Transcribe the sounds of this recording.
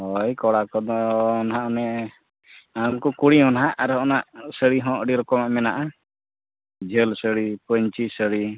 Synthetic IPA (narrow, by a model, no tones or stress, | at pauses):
ɦɔjkɔɽakɔd̪ɔːnɦaʔɔnɛ | amkukuɽiɔnɦaʔaɾɔnaʔsəɽiɦɔ̃ʔɽiɾɔkɔmaʔmɛnaʔa | d͡ʒʱəlsəɽipəɲt͡ʃisəɽi